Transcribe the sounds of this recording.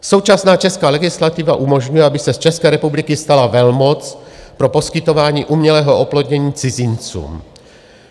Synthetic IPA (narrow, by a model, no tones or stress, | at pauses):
so̞wt͡ʃasnaːt͡ʃɛskaːlɛɡɪslat̪ɪvaʔumo̞ʒɲujɛabɪsɛst͡ʃɛskɛːɾɛpublɪkɪst̪alavɛlmo̞t͡spɾo̞po̞skɪt̪o̞vaːɲiːʔumɲɛlɛːɦo̞ʔoplod̪ɲɛɲiːt͡sɪzɪnt͡sṵːm